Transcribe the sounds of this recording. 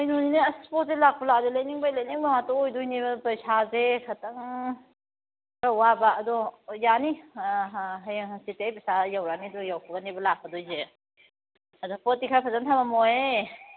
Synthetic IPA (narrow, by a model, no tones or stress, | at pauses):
ɐjnunineasspɔt̚zelak̚puladɔlajniŋbajlajniŋbamatɔojdujnibɐpɐjsazekʰɐtɐŋ | ɾawabaɐdɔjani | ɦjsitejpisajawɾanidɔjawkʰɔɡanibɐlak̚ʰɐdɔjze | ɐdɔpɔt̚ːikʰapʰɐzantʰamamɔje